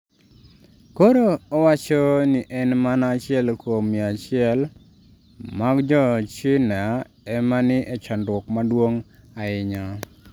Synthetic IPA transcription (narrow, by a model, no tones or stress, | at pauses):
koɾoːwat͡ʃɔnɪʔɛnmanat͡ʃɪɛlkomiat͡ʃɪɛl | maɡd͡ʒɔt͡ʃɪna | ɛmanɪʔɛt͡ʃandwɔkmadwoŋaɪɲa